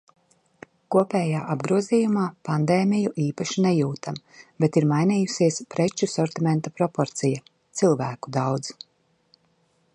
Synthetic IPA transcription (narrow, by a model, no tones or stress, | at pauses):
kuɔpʲɛːjaːʔabɡɾuɔziːjumaːpand̪eːmijuʔiːpaʃinɛjuːt̪am | bet̪iɾmajniːjusiɛspɾet͡ʃusɔɾt̪imʲɛ̃nt̪apɾɔpɔɾt̪sija | t̪silˠvæːku̥d̪awd̪z